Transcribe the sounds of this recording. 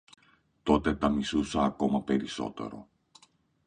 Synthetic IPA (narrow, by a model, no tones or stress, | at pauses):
t̪o̞t̪e̞t̪ɐmisusɐːko̞mɐpe̞ɾiso̞̰t̪e̞̰ɾo̞̰